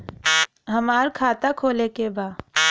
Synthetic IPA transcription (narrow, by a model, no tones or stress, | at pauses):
ɦəmaːɾkʰaːt̪akʰoːlekebaː